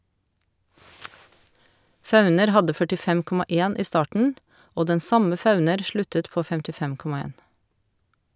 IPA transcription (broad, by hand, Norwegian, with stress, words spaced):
ˈfɑʉnəɾ ˈhɑdə fœʈɪˈfɛm ˈkɔmɑ ˈeːn ˈiː ˈstɑːʈɳ̩ ˈoː ˈdɛn ˈsɑmə ˈfɑʉnəɾ ˈʃlʉtət ˈpoː fɛmtɪˈfɛm ˈkɔmɑ ˈeːn